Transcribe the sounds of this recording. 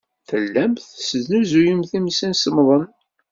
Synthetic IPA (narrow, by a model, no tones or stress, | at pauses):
fəlːæmθsəznuzujimθimsinsəmðˤən